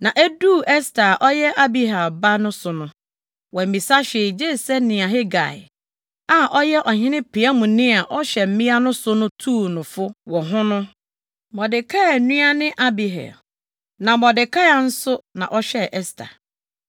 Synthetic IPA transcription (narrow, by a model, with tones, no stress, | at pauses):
nã˨ʔe˦duː˦˨ɛ˦stʰa˨ʔɔ˦jɛ˦ʔa˦bi˦ɦa˨ba˦nʊ̃˦sʊ˨nʊ̃˦ | wɔ̃˨m̩˨mĩ˨sa˦ɕe˨d͡ʑeː˦˨sɛ˦nɪ̃˨a˨ɦɛ˦ɡa̰˨ɪ˨ | a˨ʔɔ˦jɛ˦ʔɔ˨hɪ̃˦nɪ̃˦pʰi˨a˦mũ˨nɪ̃˦a˨ʔɔ˦ɕɛ˨m̩˦mĩ˦a˦nʊ̃˦sʊ˦nʊ̃˦tʰuː˦˨nʊ̃˨fʊ˦wɔ˨ɦʊ̃˦nʊ̃˦ | mɔ˨dɪ˨kʰa˦a˨nũ˦a˦nɪ̃˦ʔa˦bi˨ɦɛ̰˨ | nã˨mɔ˨dɪ˨kʰa˦a˨n̩˦sʊ˦nã˨ʔɔ˦ɕɛ˦˨ʔɛ˦stʰa̰˨